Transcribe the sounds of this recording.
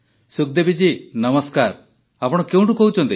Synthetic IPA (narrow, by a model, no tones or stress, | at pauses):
suk̚d̪ebid͡ʒinəməskaɾ | apɔɽ̃ɔkew̃ɳʈukoɦwut͡ʃɔnt̪i